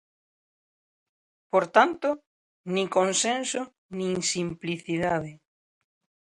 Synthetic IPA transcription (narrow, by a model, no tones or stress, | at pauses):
poɾt̪ant̪o | nĩkonsẽnso | nĩnsimpliθiðaðɪ